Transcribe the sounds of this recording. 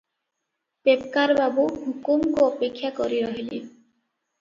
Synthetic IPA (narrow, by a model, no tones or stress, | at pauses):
pepkaɾbabuhukumkoɔpekʰːjakoɾiɾɔɦilḛ